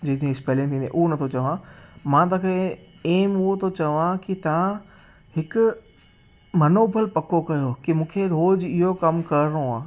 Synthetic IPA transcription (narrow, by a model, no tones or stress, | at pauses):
d͡ʑẽːt̪ʰiẽɪspeːlĩnt̪ʰĩnd̪ḛ̃ʔuɦonɐt̪ʰot͡ɕɐʋãmãːt̪̬ɐkʰe | eːmʊɦot̪ʰot͡ɕɐʋãkit̪ɐʋã | hɪkʊ | mɐnoːbʱəlpɐkokɐjokimũːkʰeɾoːd͡ʑɪɦokɐmkɐɾɪnoaː